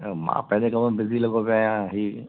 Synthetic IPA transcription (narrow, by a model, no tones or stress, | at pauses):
mã̰ːpɛ̃lẽkɐməbɪzilɐɡopaːjãɦi